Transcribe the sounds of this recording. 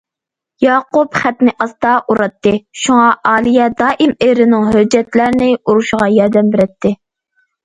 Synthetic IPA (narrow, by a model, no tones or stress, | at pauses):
jɑːqʊpχæt̪nɪʔɑst̪ɑːʔuɾɑt̪ːɨʃuŋɑʔɑːlˠijɛd̪ɑːʔɪmeɾɪnɪŋɦød͡ʒːɛt̪læɾɪnɪuɾuʃʊʁɑjɑɾd̪ɛmbɪɾɛt̪ʰːɪ